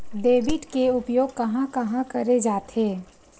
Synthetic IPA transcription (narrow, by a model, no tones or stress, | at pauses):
d̪eːbɪʈkeʊpjoːɡ̚kɐɦãkɐɦãkɐɾed͡ʒaːt̪ɦeː